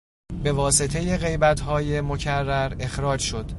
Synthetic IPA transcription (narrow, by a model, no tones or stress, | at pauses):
be̞vɒːse̞t̪ʰe̞jeɣe̞jbæt̪ʰɦɒːje̞mo̞cʰærːæɾe̞xɾɒːd͡ʒʃo̞d̪̥